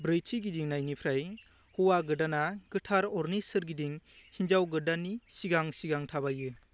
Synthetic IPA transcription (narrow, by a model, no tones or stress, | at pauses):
bɾɯjt͡ʃʰiɡidiŋnajnipʰɾaj | huwaɡɯdanaɡ̥ɯtʰaɾɔɾnisɯɾɡidiŋhind͡ʒawɡɯdanisiɡaŋsiɡaŋtʰaβajɯ